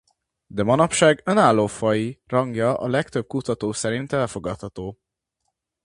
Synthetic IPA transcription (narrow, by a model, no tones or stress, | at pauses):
d̪ɛmɒnɒpʃaːɡønaːlːoːfɒjirɒŋɡjɒʔɒ̰lɛkt̪øb̚kut̪ɒt̪oːsɛɾint̪ɛlfo̞ɡɒt̪hɒt̪oː